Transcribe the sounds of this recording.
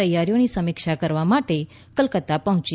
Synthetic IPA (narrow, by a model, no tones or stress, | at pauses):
əjaɾjonisəmikʃakəɾʋamaʈe | kəlkət̪apəɦʊ̃t͡ʃ